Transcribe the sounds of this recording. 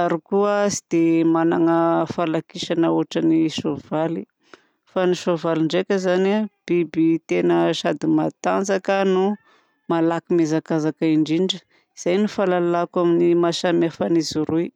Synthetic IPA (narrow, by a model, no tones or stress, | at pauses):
aɾikuasid̪̥emanaŋəfalakiʃanəuɦaʈ͡ʂəniʃovali | faniʃovaliɳɖ͡ʐekʲəzanab̥ibit̪enəʃad̪imat̪and͡zakənu | malakimezakazakaiɳɖ͡ʐiɳɖ͡ʐə | iz̥ajnufalalakaminimaʃamafanizuɾui